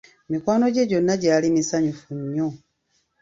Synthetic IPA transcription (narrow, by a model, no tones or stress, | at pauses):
mikwaːno̞ɟe̞ɟo̞nːaɟaːlimisaɲufuɲːo